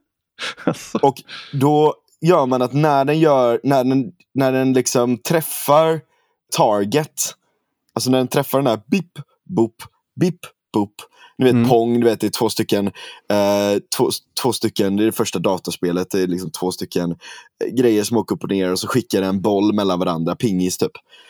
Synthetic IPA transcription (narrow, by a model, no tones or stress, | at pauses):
ɔkd̪ɔ | jœːɾmanat̪næɖɛnjœːɾnæɖɛn | næɖɛnlɪksɔmt̪ʰɾɛfːaɾ | t̪ʰɑːɾɡət̪ | alsɔnæɖɛnt̪ʰɾɛfːaɖɛnæːɾbɪpː | bʊpː | bɪpː | b̥ʊpːnʉveːt̪̚pʰɔŋːd̪ɵveːt̪̚d̪ɛːt̪ʰv̥oːst̪ʏkːən | t̪ʰvoːt̪ʰvoːst̪ʏkːənd̪ɛːɾɛfœʂʈad̪ɑːt̪aʂpeːlət̪̚d̪ɛːlɪks̬ɔmt̪ʰvoːst̪ʏkːənɡɾɛjːəʂɔmoːkəɵpːɔneːɾaɾɔsɔɧɪkːaɖɛnɛnbɔlːmɛlːanvaɾa̰nd̪ɾapʰɪŋːɪst̪ʰyːp